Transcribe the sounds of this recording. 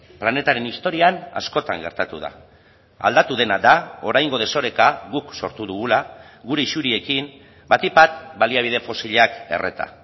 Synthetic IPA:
plane̞t̪aɾe̞nist̪o̞ɾiana̰sko̞t̪aŋɡe̞̰ɾt̪at̪uð̞a̰ | a̰ld̪at̪uð̞e̞nad̪ao̞ɾajŋɡo̞ð̞e̞so̞ɾe̞kaɣukso̞̰ɾt̪uðuɣula | ɣuɾe̞isuɾie̞kim | bat̪ipat̪baliaβ̞ið̞e̞fo̞siʎake̞̰rʔe̞̰t̪a̰

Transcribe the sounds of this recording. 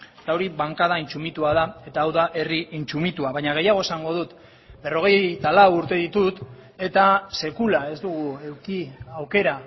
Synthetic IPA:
et̪ao̞ɾiβaŋkað̞aint͡sumit̪uaðae̞t̪aːwðaʔe̞riʔint͡ʃumit̪uaβajɲaɣ̞e̞jaɣ̞o̞esaŋɡo̞ðut̪ | be̞ro̞ɣ̞e̞jt̪alawuɾt̪e̞ðit̪ut̪ | e̞t̪ase̞kulae̞zd̪uɣ̞ue̞wkiawke̞ɾa

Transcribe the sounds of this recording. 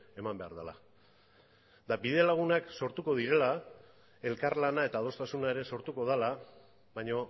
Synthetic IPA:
e̞mambe̞aɾðala | d̪abiðe̞laɣ̞unakso̞ɾt̪uko̞ðiɾe̞la | e̞lkaɾlanae̞t̪aːð̞o̞st̪asunae̞ɾe̞so̞ɾt̪uko̞ð̞ala | βajɲo̞

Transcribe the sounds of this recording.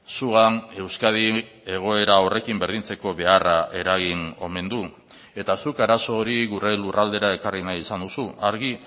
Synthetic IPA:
suɣane̞wskað̞ie̞ɣ̞o̞e̞ɾao̞re̞kimbe̞ɾð̞int͡se̞ko̞βe̞araʔe̞ɾaɣ̞ino̞me̞nd̪u | e̞t̪asukaɾaso̞ːɾiɣure̞lurald̪e̞ɾae̞karinajisand̪usuaɾɣi

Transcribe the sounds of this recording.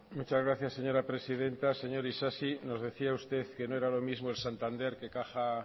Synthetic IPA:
mut͡ʃazɣɾaθjasːe̞ɲo̞ɾapɾe̞sið̞e̞nt̪ase̞ɲo̞ɾisasino̞zðe̞θiaust̪e̞θke̞noeɾalo̞mizmoelsant̪and̪e̞ɾke̞kaxa

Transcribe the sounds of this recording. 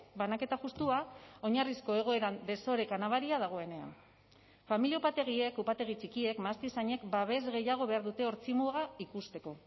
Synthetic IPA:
banake̞t̪axust̪uao̞ɲarisko̞e̞ɣ̞o̞e̞ɾand̪e̞so̞ɾe̞kanaβaɾiaðaɣ̞o̞e̞ne̞a̰n | familiaupat̪e̞ɣie̞kupat̪e̞ɣ̞it͡ʃikie̞kmast̪isaɲe̞kbaβe̞zɣe̞jaɣ̞o̞βe̞aɾðut̪e̞o̞ɾt͡simuɣaikust̪e̞ko̞

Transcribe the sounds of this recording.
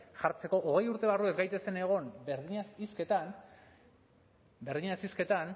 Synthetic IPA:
ʝaɾt͡se̞ko̞ʔoɣe̞juɾt̪e̞βarue̞zɡajt̪e̞se̞ne̞ɣ̞o̞nbeɾðiɲasisket̪an | be̞ɾðiɲasiske̞t̪an

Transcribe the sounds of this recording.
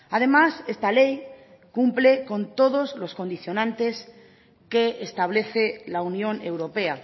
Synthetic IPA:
að̞e̞mase̞st̪ale̞j | kumpleko̞nt̪o̞ðo̞zlo̞sko̞nd̪iθjo̞nãnt̪e̞s | keːst̪aβ̞le̞θelaunjõ̞ne̞wɾo̞pe̞a

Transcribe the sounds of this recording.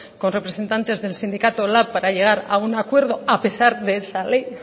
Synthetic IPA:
ko̞nre̞pɾe̞se̞nt̪ant̪e̞zðe̞lsind̪ikat̪o̞lapːaɾaʎe̞ɣ̞aɾa̰unakwe̞ɾð̞o̞ape̞saɾðe̞ːsale̞j

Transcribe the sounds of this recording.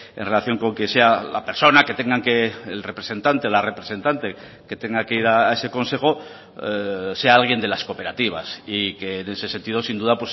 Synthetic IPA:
enre̞laθjo̞ŋko̞ŋke̞se̞ala̰pe̞ɾso̞nake̞t̪e̞ŋɡaŋkeːlrepɾese̞nt̪ant̪eolare̞pɾese̞nt̪ant̪e̞ | ke̞t̪e̞ŋɡake̞iɾaːe̞se̞ko̞nse̞xo̞ | se̞aalɣ̞je̞nd̪e̞lasko̞pe̞ɾat̪iβ̞a̰sike̞ne̞se̞sent̪iðo̞sind̪uðapwe̞s

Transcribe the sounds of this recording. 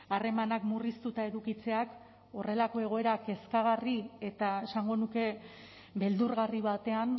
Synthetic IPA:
are̞manakmurist̪ut̪ae̞ðukit͡se̞ak | o̞re̞lako̞e̞ɣ̞o̞e̞ɾake̞skaɣarie̞t̪ae̞saŋɡo̞nuke̞ | be̞ld̪uɾɣariβ̞at̪e̞an

